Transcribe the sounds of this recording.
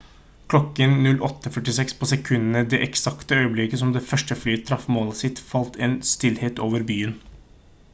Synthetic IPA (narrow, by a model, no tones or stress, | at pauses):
kʰlɔkːənnʉlʔɔt̪ːəfœʈɪsɛkspʰɔsɛkʰʉnːənəd̪ɛʔɛksɑkt̪əœʏəblɪkəsɔmd̪ɛːfœʂʈəflyːət̪ʰɾɑfmoːləsɪt̪fɑlt̪ʰeːnst̪ɪlheːt̪oːʋəɾbyːən